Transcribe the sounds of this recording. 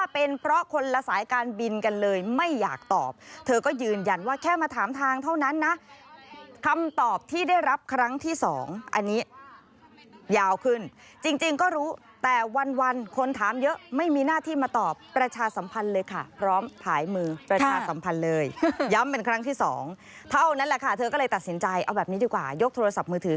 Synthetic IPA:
aː˥˩pe˧npʰɾɔ˦˥kʰo˧nla˧saː˩˦jkaː˧nbi˧nka˧nlɤː˧jma˥˩jːa̰ː˨˩k̚t̪ɔː˨˩p̚t̪ʰɤː˧kɔː˥˩jɯː˧nja˧nwaː˥˩kʰɛː˥˩maː˧t̪ʰaː˩˦mt̪ʰaː˧ŋt̪ʰa˥˩wna˦˥nːa˦˥ | kʰa˧mt̪ɔː˨˩p̚t̪ʰiː˥˩daː˥˩jɾa˦˥p̚kʰɾa˦˥ŋt̪ʰiː˥˩sɔ̰ː˩˦ŋʔa̰˧nːiː˦˥ | jaː˧wkʰɯ˥˩n | t͡ɕi˧ŋt͡ɕi˧ŋkɔː˥˩ɾuː˦˥ | t̪ɛː˨˩wa˧nwa˧nkʰo˧nt̪ʰaː˩˦mjɤ˦˥ʔma˥˩jmiː˧naː˥˩t̪ʰiː˥˩maː˧t̪ɔː˨˩pːɾa˧t͡ɕʰaː˧sa˩˦mpʰa˧nlɤː˧jkʰa˥˩pʰɾɔː˦˥mpʰaː˩˦jmɯː˧pɾa˧aː˧sa˩˦mpʰa˧nlɤː˧jja˦˥mpe˧nkʰɾa˦˥ŋt̪ʰiː˥˩sɔ̰ː˩˦ŋ | t̪ʰa˥˩wna˦˥nlɛ˨˩kʰa˥˩t̪ʰɤː˧kɔ˥˩lɤː˧t̪a˨˩si˩˦nt͡ɕa˧jʔa˧wbɛː˨˩p̚niː˦˥diː˧kwaː˨˩jo˦˥k̚t̪ʰoː˧ɾa˧sa˨˩p̚mɯː˧t̪ʰɯː˩˦

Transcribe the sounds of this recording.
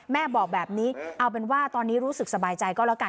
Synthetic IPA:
mɛː˥˩bɔː˨˩k̚bɛː˨˩p̚niː˦˥ʔa˧wp̬e˧nwaː˥˩t̪ɔː˧nːiː˦˥ɾuː˦˥sk̚sa˧baː˧jt͡ɕa˧jkɔː˥˩lka˧

